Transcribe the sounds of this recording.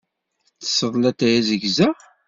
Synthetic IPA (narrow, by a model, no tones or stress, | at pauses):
θə̥sːəðˤlæt̪æjæzəɡzæ